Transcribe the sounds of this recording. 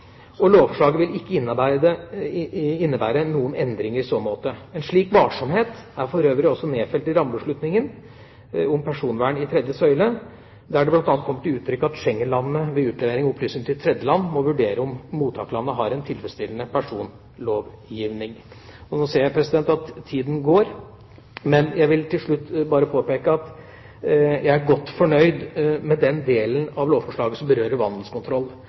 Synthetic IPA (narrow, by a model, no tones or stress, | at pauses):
ɔloːʋfɔʂɭɑːɡəʋɪlɪkːəɪnːbæə | ɪnːəbæːɾənuːənɛnd̪ɾɪŋəɾɪsoːmoːt̪əɛnʂɭiːkʋɑːʂɔmheːt̪æɾfɔɾøːʋɾɪɔsːɔneːfɛlt̪ɪɾɑmlʉʂɭʉt̪nɪŋən | ʊmpʰæʂuːnʋæːɳɪt̪ʰɾɛd̪jəsœʏlə | d̪æɖɛblɑnt̪ɑnt̪kʰɔməʈ̪ɪʉːt̪ʰɾʏkːəɑt̪ʂɛŋːənlɑnːəʋɛʉːt̪lɛʋeːɾɪŋɔɔpʰlyːsnɪŋt̪ʰɪt̪ʰɾɛd̪jəlɑnːmɔʋʉɖeːɾəʊmmuːt̪ʰːɑːkəlɑnːəɦɑɾɛnt̪ʰɪlfɾəst̪ɪlənəpʰæʂuːn | loːʋjiːʋnɪŋ | ɔnoːseːjæpʰɾɛsɪd̪ɛnt̪ɑt̪ʰːiːd̪n̩ɡoːɾ | mɛnjæɪʋɪlt̪ʰɪlʂɭʉt̪ːbɑːɾəpʰoːpeːkəɑt̪ | jæɪæɡɔt̪ːfɔɳœʏd̪mɛd̪ɛnd̪eːlənɑʋloːʋfɔʂɭɑːɡəsɔmbəɾøːɾəɾʋɑnd̪l̩skʊnt̪ʰɾɔlː